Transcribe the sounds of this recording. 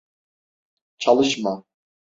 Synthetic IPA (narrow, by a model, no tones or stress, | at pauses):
t͡ʃʰɑlˠɨʃmɑ